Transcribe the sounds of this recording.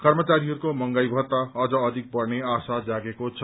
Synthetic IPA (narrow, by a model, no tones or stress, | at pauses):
kʌrmʌt͡saɾiɦʌɾukomʌŋɡajbʱʌt̪aʌd͡zʌːd̪ʱik̚pʌrneasad͡zaɡekot͡sʰʌ